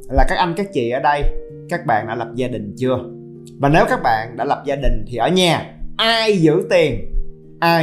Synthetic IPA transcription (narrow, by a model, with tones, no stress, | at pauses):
laː˨˩kaː˦˥k̚ʔə˧mkaː˦˥k̚t͡ɕḭ˧˨ʔəː˧˩˦ɗə˧j | kaː˦˥k̚ɓa̰ː˧˨nɗa̰ː˧˥lə˨˩p̚zaː˧ɗï˨˩ŋ̟t͡ɕɨ˧ə | vaː˨˩ne˨˦wkaː˦˥k̚ɓa̰ː˧˨nɗa̰ː˧˥lə˨˩p̚zaː˧ɗï˨˩ŋ̟t̪ʰi˨˩ʔəː˧˩ɲaː˨˩ʔaː˧jzɨ̰˧˥t̪i˨˩ən | ʔaː˧